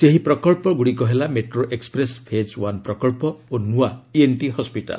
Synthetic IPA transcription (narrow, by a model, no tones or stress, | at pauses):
seɦipɾɔkɔɭpɔɡuɽikɔɦelameʈɾoʔekspɾespʰed͡ʒwanpɾɔkɔlpɔonuaienʈiɦɔspiʈa̰l